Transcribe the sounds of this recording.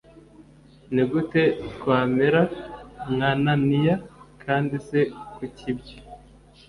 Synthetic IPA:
niɡute̞tkwaːmeɾamŋananijakʰaːndise̞kucʰibɟo

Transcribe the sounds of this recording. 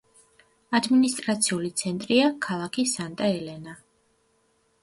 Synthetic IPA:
ad̪minist̪ʼɾat̪sʰiulit̪sʰɛnt̪ʼɾiakʰalˠakʰisant̪ʼaɛlɛna

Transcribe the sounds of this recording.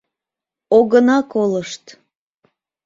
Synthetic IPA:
oɣənɑkoləʃt̪

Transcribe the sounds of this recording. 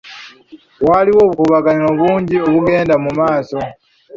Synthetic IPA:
waːliwo̞ːβukuβaɡaniɾo̞βuːɲɟioβuɡe̞ːndamumaːso̞

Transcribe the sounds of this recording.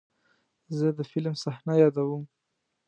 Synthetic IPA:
zəd̪əfɪlmsahnajɑd̪awəm

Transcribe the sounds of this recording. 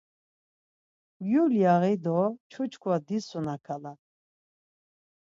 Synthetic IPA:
vjuljaɣɛd̪ɔt͡ʃʰɔt͡ʃʰkʰwad̪isɔnakʰala

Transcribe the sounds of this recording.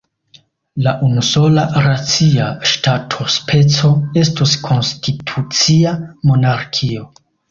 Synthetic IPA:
laʔunuso̞laɾat͡siaʃtatʰo̞spʰe̞t͡so̞e̞stoskʰo̞nstʰitʰut͡siamo̞naɾkʰio̞

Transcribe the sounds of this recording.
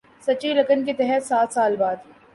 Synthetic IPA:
sɐt͡ʃilɐkənket̪ɛɦɛt̪saːt̪ʰsaːlbaːd̪

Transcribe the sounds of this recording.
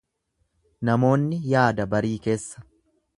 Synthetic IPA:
nɐmo̞ːnːɪjaːd̪ɐbɐɾiːke̞ːsːɐ̥

